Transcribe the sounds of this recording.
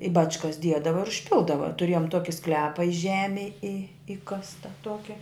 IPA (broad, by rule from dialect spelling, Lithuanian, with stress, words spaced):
ɪ ˈbɑːt͡ʃkɐs ˈdʲiɛdɐʋɐ ɪr ʊʃʲˈpʲɪlˠdɐʋɐ tʊˈrʲeːjoːm ˈtoːkʲɪ ˈsklʲæːpɐ ɪ ˈʒʲæːmʲeːj ɪ ˈɪkɐstɐ ˈtuɔkʲɪ